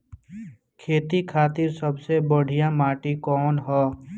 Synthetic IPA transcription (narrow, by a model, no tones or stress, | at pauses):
kʰeːt̪ikʰaːt̪ɪɾsəbsebəɽ̤ʱijãmaːʈikɔːnɦɔː